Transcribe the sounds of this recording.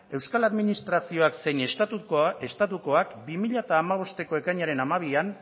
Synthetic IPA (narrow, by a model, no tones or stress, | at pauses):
e̞wskalaðminist̪ɾasio̞akse̞jnestuest̪at̪uko̞akbimiʎat̪aːmaβ̞o̞st̪e̞ko̞e̞kaɲaɾe̞namaβian